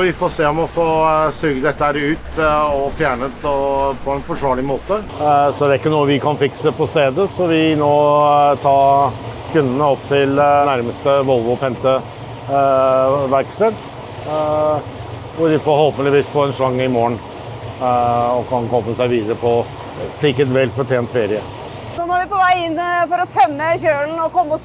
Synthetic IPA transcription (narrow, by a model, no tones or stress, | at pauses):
ʋɪfɔseːɔmɔfoːsøːɡəd̪ɛt̪ːəhæːɾʉːt̪ɔfjæːɳət̪ɔpʰɔɛnfɔʂʋɑːɭɪmoːt̪ə | sɔæɾɪkːənuːəʋɪkʰɑnfɪksəpʰɔst̪eːd̪əsɔʋɪnoːt̪ʰɑː | kʰʉnd̪ənəɔpːt̪ʰɪlnæɾməst̪əʋɔlʋʊpʰɛnt̪ə | ʋæɾkst̪eːd̪ | ʋʊɖ̪ɪfɔɾhɔːlpənlɪʋiːsfoːɛnʂɭɑŋːəɪmoːən | ɔkʰɑnkʰɔmːəsæɪʋiːd̪əɾəpʰɔ | sɪkəʈʋɛlːfɔʈʰjeːnt̪feːɾɪə | sɔnɔːɾʋɪpɔʋæɪɪnːfɔɾɔt̪ʰœmːəçøːln̩ɔkʰɔmːɔ